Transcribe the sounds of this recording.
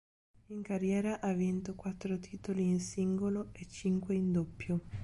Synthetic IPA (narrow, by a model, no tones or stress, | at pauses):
iŋkarjɛːɾaʔavint̪okwat̪ːɾot̪ʰiːt̪oliːnsiŋɡoloet͡ʃːiŋkweind̪opːjo